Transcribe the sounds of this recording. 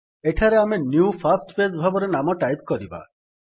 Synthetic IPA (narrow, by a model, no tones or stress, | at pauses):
eʈʰaɾeamenjupʰasʈped͡ʒbʱabɔɾenamɔʈajpkɔɾiba̰